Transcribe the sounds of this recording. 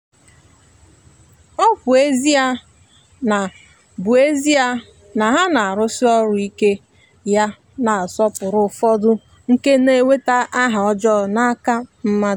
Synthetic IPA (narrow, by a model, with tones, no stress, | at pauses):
ɔ˦pʊ˨e˦zi˦a˦ | na˨ | bʊ˨e˦zi˦a˦ | na˨ɦa˦na˨a˨ɾʊ˦si˦ɔ˦ɾʊ˨i˦ke˦ | ja˦ | na˨a˨sɔ˦pʊ˨ɾʊ˨fɔ˦dʊ˦ | ŋ̩˦ke˦ne˦we˦ta˦ʔa˦ɦa˨ɔ˦d͡ʒɔ˦˨na˦ka˦m̩˦ma˦˨